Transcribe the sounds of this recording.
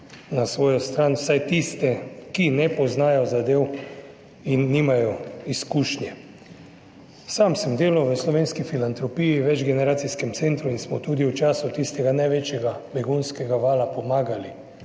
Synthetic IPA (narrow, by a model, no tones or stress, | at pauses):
nasʋɔːjɔst̪ɾaːnwsajt̪ist̪ɛkinɛpɔznaːjɔzad̪eːw | inːiːmajɔiskuʃnjɛ | samsɛmd̪eːlɔʋəslɔʋeːnskifilant̪ɾɔpijiʋɛd͡ʒɡɛnɛɾaːt̪siskɛmt̪sent̪ɾuinsmɔt̪uːd̪iwt͡ʃaːsut̪ist̪ɛɡanajʋeːt͡ʃjɛɡabɛɡunskɛɡaʋaːlapɔmaːɡali